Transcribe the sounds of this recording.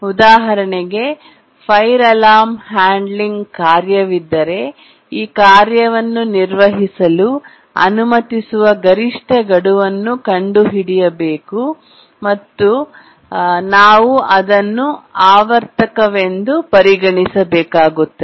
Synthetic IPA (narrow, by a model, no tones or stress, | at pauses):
ud̪aːɦɐɾɐɳeɡe̞ | pʰɐjɾɐlaːmhaːɳɖliŋɡkaːɾjɐʋid̪ːɐɾe̞ | iːkaːɾjɐʋɐnːuniɾʋɐɦisɐlu | ɐ̰numɐt̪isuʋɐɡɐɾiʂʈʰɐɡɐɽuʋɐnːukɐɳɖuɦiɽijɐbeːku | mɐt̪ːu | naːʋuʔɐd̪ɐnːuaːʋɐɾt̪ɐkɐʋend̪upɐɾiɡɐɳisɐbɛːkaːɡut̪ːɐ